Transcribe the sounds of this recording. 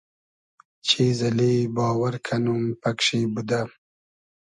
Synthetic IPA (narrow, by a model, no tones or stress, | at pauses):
t͡ʃʰeːzɐlebɑːwaɾkʰanumpɐkʂebud̪a